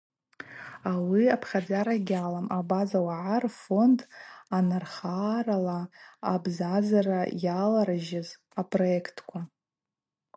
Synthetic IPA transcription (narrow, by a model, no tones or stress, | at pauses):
awiapʰχʲad͡zaɾaɡʲalamabazawaʕarfo̞ndʰanarχaːɾalaːbzazarajalaɾaʒɪz | apʰʼro̞ekʰtʰkʷʰa